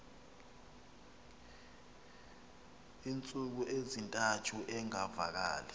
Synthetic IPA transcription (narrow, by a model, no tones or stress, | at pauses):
iːnt͡sʼuk̬uʔezintʼatʰuʔɛŋavak̬aːlɛ